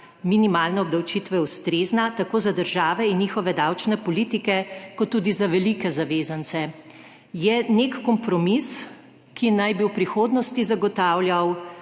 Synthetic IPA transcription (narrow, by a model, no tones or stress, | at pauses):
minimaːlnɛɔb̚d̪ɐwt͡ʃit̪ʋɛwst̪ɾeznat̪akoːzad̪əɾʒaːʋɛinjixɔʋɛd̪awt͡ʃnɛpɔliːt̪ikɛkɔt̪ːuːd̪izaʋɛlikɛzaʋeːzant̪sɛ | jɛnekːɔmpɾɔmis | kinajbiwpɾixoːd̪nɔst̪izaɡɔt̪aːwljaw